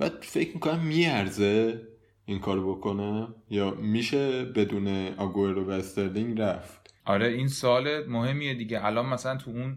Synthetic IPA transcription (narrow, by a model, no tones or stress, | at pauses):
b̥æːd̪̥fe̞cʰmikʰo̞næmːijæɾze | iŋkʰɒːɾobo̞kʰo̞nejɒːmiʃebe̞d̪uːneɒɡoeɾd̪obæst̪eɾliŋɾæft̪ʔɒɾeinsolemoɦe̞mːijed̪iːɟeʔælɒːnmæsælænt̪ʰuun